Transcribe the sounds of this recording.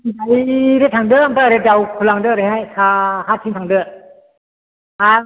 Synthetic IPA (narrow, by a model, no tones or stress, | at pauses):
daiɾetʰaŋdɯamtaɾedawkʰulaŋdɯɾɯɦajkʰaɦatʰiŋtʰaŋdɯ | a